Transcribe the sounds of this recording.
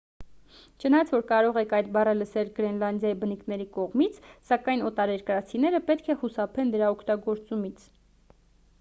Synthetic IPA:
t͡ʃʰənɑjɑt͡sʰvɔɾkɑɾɔʁɛkʰɑjt̪bɑrələsɛlɡɾɛnlɑnd̪jɑjibənikʰnɛɾikɔʁmit͡sʰsɑkɑjnɔt̪ɑɾɛɾkəɾɑt͡sʰin̪ɛɾəpɛt̪kʰɛχusɑpʰɛnd̪əɾɑɔkʰt̪ɑɡɔɾt͡sumit͡sʰ

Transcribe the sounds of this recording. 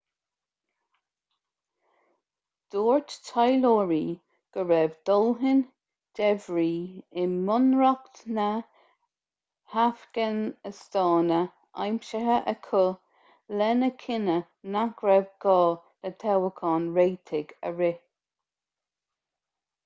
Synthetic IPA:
d̪̥oːɹttʰajlɔːɹiː | ɡ̥əɹɛvd̪̥ɔlɦɪn | d̪̥ɛvɹiːɪmʊnɹɔktnə | hafkənəst̪ɑːnə | a̰jmʃəɦəʔəkʰʊ | lɛnəkʰɪnə | naɡ̥ɹɛvɡɔːlət̪ʰɛwəkʰɑːnɹeːt̪ʰɪɡə̰ɹɪ

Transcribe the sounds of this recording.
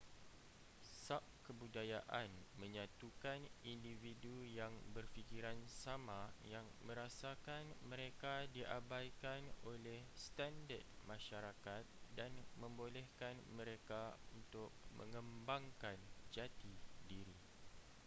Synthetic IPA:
sap̚kəbudajaʔanmə̃ɲãt̪ukanindividujaŋbərfikiɾansamãjaŋmə̃ɾasakanmə̃ɾekadiʔabajkanolɛhst̪andə̰d̚mãʃaɾakat̪̚danmə̃mbolɛhkanmə̃ɾekaunt̪ʊk̚mə̰̃ŋə̃mbaŋkand͡ʒat̪idiɾi

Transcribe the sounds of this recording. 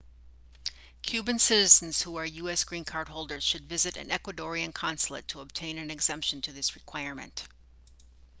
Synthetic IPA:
kʰj̥ʉbɨ̃nsɪɾɨzn̩z̥huə˞jʉɛsɡ̥ɹĩnkʰɑɹd̚ɦoʊlˠdə˞z̥ʃɨdvɪzɨɾɨ̰̃nɛkwɨdɔɹiɨ̃nkʰɑ̃nsl̩ˠə̰tʰəəb̚tʰẽɪ̃nɨ̃nɨɡz̥ɛ̃mpʃn̩tʰɨðɪsɹɨkʰw̥aɪɹmɨ̰̃nt

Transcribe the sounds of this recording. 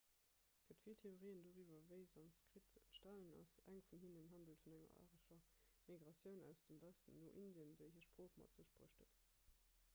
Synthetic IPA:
ɡ̥ətfiltʰeoʁiːəndoːʁivɐvəɪzɑnskʁ̥itʃtælənɑ̰sæŋfunɦinənɦɑndəltfunæŋɐ̰ɑ̰ːʁəʃɐ | miɡʁɑsjəʊnæ̰ʊsd̥əmvæstə̰nːo̰ːʔindjəndəɪhiːɐʃpʁ̥oːχmɑ̰tz̥əʃb̥ʁo̰əʃtət

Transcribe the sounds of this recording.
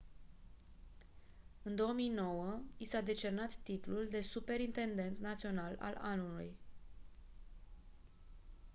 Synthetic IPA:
ɨnd̪o̞əmijno̞wəisad̪e̞t͡ʃe̞rnat̪ːit̪luld̪e̞supe̞ɾint̪e̞nd̪e̞nt̪nat̪sio̞nala̰lanulṵj

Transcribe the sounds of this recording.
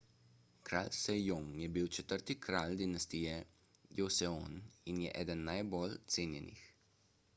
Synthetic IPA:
kɾa̰lsɛjoŋjɛbiwt͡ʃɛt̪əɾt̪ikɾald̪inast̪iːjɛ | josɛoninjɛʔɛ̰ːd̪ənːajbolt̪seːnjɛnḭx

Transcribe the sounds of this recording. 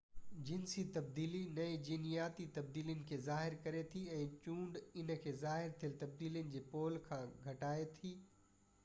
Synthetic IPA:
d͡ʑɪnsit̪ɐb̚d̪iːlinɐid͡ʑiːnijaːt̪it̪ɐbd̪iːlijənɪ̆kʰeːzaːɦɪɾkɐɾet̪ʰiɛ̃ːt͡ɕũːɳɖɪnkʰeːzaːɦɪɾt̪ʰijəlt̪ɐb̚d̪iːlijənɪ̆d͡ʑeːpoːlkʰãːɡʱɐʈaːet̪ʰiː

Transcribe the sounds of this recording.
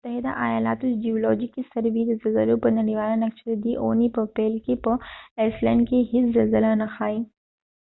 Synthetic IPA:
mʊt̪ːɐɦɪd̪a̰ʔaːjaːla̰ːt̪ud͡ʒioːlɔːd͡ʒikːisɐɾbiɾezɐlzɐlopɐnɐɽiʋaːlanɐk̚t͡ʃɾed̪iʔo̰ːnipɐpɛːlkipɐeːslɛːɳɖkeɦɪszɐlzəlanɐxʰaːiː

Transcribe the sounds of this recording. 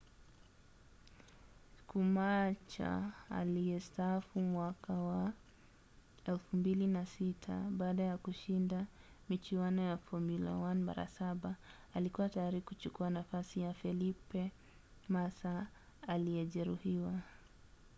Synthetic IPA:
kʰumat͡ʃa̰a̰lijɛstaːfumwakʰawa | ɛlfumbilinasitʰa̰ɓaːɗajakuʃindamit͡ʃiwanɔjafɔmila̰wanma̰ɾa̰saɓaː | likuwatajaɾikut͡ʃukuanafasijafɛlipɛ | masaː | lijɛʄɛɾuhiwa

